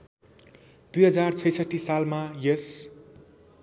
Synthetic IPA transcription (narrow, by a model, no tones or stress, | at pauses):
d̪̥ujɦʌd͡zart͡sʰʌjsʌt̪ːisalmajʌs